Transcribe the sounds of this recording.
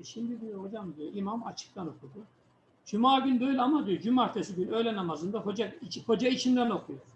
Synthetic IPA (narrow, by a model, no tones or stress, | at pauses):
ʃimd̪id̪ijoho̞d͡ʒamd̪ijo̞ʔimama̰t͡ʃʰɯ̥k̚t̪ʰano̞kʰud̪u | d͡ʒymaːɡynd̪øjlʲamad̪ijod͡ʒymaɾt̪ʰesiɟynø̞jlʲɛnamazɯnd̪aɦo̞d͡ʒait͡ʃho̞d͡ʒait͡ʃʰind̪æno̞kʰujo